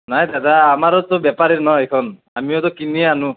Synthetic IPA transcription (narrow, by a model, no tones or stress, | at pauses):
najd̪ad̪aːmaɾɔt̪ɔbapaɾiɾnɔejkʰɔn | a̰miot̪ɔkinieanũ